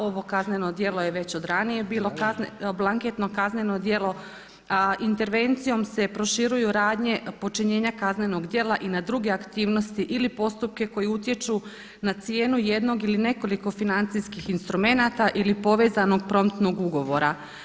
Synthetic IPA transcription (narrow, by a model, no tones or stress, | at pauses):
o̞ʋo̞kazne̞no̞d̪je̞lˠo̞jeʋe̞t͡ɕo̞d̪ɾanije̞biːlˠo̞kazblˠaŋket̪no̞kazne̞no̞d̪jelˠo̞ | int̪e̞ɾʋe̞nt̪sijo̞mse̞pɾo̞ʃiɾujuɾaːd̪ɲe̞po̞t͡ʃiɲe̞ːɲakazne̞no̞ɡd̪je̞ːlˠaʔinad̪ɾuɡe̞akt̪iːʋno̞st̪iʔilipo̞st̪up̚ke̞ko̞jeut̪je̞t͡ʃu | nat̪sije̞ːnuje̞d̪no̞ɡiline̞ko̞liko̞finant̪siskixinst̪ɾume̞nat̪aʔilipo̞ʋe̞ːzano̞ɡ̚pɾo̞mt̪no̞ɡuɡo̞ʋo̞ɾa